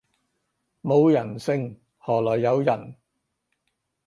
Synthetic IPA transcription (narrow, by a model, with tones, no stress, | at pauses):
mo˨˧wjɐ˨˩nsɪ˧ŋ | hɔː˨˩lɔː˨˩jːɐ˨˧wjɐ˨˩n